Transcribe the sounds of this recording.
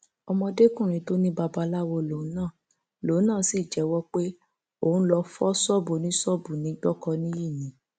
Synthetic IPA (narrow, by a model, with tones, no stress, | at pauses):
ɔ˧mɔ̃˧de˦kũ˦˨ɾ̃ĩ˨˦to˦nĩ˦ba˧ba˧˦la˦wɔ˧lõ˨˦nãː˦˨ | lo˨˦nãː˦˨si˦˨d͡ʒɛ˨˦wɔ˦k͡pe˦ | o˦˨ũ˦lɔ˧fɔ˦sɔ˦bo˨nĩ˦sɔ˦bu˨nĩ˨˦ɡ͡bɔ˦kɔ˧nĩ˦ji˦˨nĩ˨˦